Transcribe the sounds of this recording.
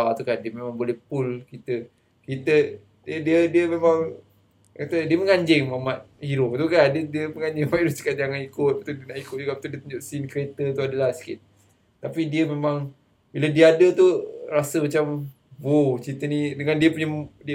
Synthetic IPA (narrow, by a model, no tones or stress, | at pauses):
at̪ukandiəmemãŋbolɛhpulkit̪ə | kit̪ə | diədiədiəmemaŋ | kat̪ədiəməŋaɲd͡ʒɪŋmamat̪̚hiɾʊp̚t̪ukadədiəməŋaɲd͡ʒɪŋamat̪hiɾʊp̚si̥kat̪aŋanikʊt̪̚pət̪udiənaʔikuʊt̪̚d͡ʒuɡaʔpət̪udiət̪uɲd͡ʒʊʔsinkəɾet̪ət̪uadəlahsi̥kḭt̪̚ː | apidiəmemaŋ | bilədiəadət̪uɾasəmat͡ʃam | bot͡ʃit̪ənidəŋandiəpəɲədiə